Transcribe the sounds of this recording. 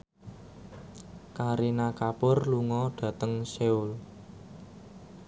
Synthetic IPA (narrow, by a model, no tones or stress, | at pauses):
kaɾinakapʊrluŋɔɖ̥ä̤t̪əŋseul